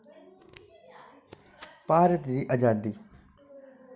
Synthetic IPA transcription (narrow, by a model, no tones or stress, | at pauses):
paːɾət̪d̪iːʔəd͡ʒaːd̪iː